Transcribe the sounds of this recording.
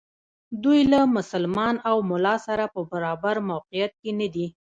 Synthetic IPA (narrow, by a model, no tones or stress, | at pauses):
d̪ujlamʊsəlmɑnawmʊlɑsaɾapəbaɾɑbaɾmawqijat̪̚kenad̪i